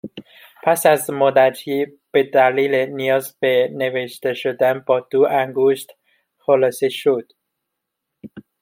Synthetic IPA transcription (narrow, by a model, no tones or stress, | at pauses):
pʰæsæzmod̪æt̪iː | b̥ed̪æliːlenijɒːzbeneveʃt̪eʃod̪ænbɒːd̪̥oʔæŋɡoʃt̪ | xolɒːseʃod̪̥